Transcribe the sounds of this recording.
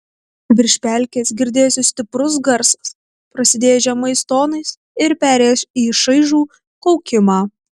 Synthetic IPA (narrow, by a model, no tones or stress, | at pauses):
ʋʲɪɾʲʃʲpʲælʲkʲeːsɡʲɪɾʲd̪ʲeːjoːsʲɪsʲt̪ʲɪpɾʊs̬ɡɐɾsɐ̥s | pɾɐsʲɪd̪ʲeːjɛʒʲɛmɐɪst̪oːnɐɪs | ɪɾpʲæːɾʲeːjosiːʃɐɪʒuː | kɔʊkʲɪmɑː